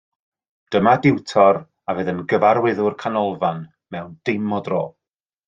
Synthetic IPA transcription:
d̥əmadɪwtʰɔr | avɨːðənɡəvaɾwɪðʊrkʰanɔlˠvan | mɛwnd̥ɪmɔdro̰ː

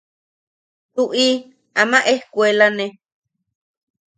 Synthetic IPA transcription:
t̪uʔi | amaʔehkwelane

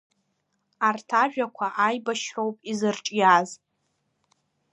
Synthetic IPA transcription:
artʰaʒᶣakʷʰaʔajbaʃħowpʼizɨrʈ͡ʂʼjaz

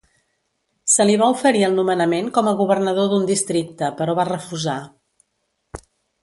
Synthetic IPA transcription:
səliβ̞aufəɾiəlˠnumənəmenkɔməɣuβərnəð̞oðund̪ist̪ɾik̚t̪əpəɾɔβarəfuza

